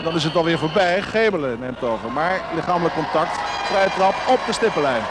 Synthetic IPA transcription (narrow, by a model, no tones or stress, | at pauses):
ndɑnɪsətʋɑlˠʋɪːɹvoːɹbɛjχejbələnejmtoːvəɹmaːɹlɪχaːmələkːɔntɑk̚tfrɛjətrɑpɔp̚dəstɪpəlɛjn